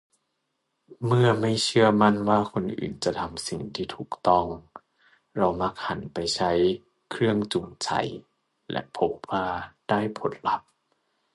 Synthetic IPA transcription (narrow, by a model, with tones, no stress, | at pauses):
mɯ˥˩ɐma˥˩jt͡ɕʰɯ˥˩ɐma˥˩nwaː˥˩kʰo˧nʔɯ̰ː˨˩nt͡ɕa˨˩t̪ʰa˧msi˨˩ŋt̪ʰiː˥˩t̪ʰuː˨˩k̚t̪ɔ˥˩ŋ | ɾa˧wma˦˥k̚ha˩˦npa˧jt͡ɕʰa˦˥j | kʰɾɯ˥˩əŋt͡ɕu˨˩ŋt͡ɕʰa̰˧˦j | lɛ̰˧˦˥ʔpʰo˦˥p̚waː˧˩d̥aː˥˩jpʰo˨˦nla˨˧˦p̚